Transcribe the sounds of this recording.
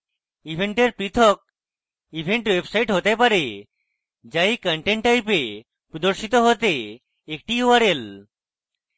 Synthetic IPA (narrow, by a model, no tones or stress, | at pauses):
ibʱeɳʈeɾpɾit̪ʰɔk̚ | ibʱeɳʈwebsajʈɦot̪epaɾe | d͡ʑajkəɳʈeɳʈːajpe | pɾud̪oɾʃit̪oɦot̪eː | k̚ʈiuwaɾel